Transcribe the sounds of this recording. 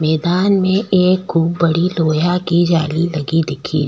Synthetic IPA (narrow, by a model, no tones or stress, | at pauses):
mɛːd̪aːnmẽʔeːkxuːbːɐɽiloːjakid͡ʒaːlilɐɡid̪ɪkʰḭ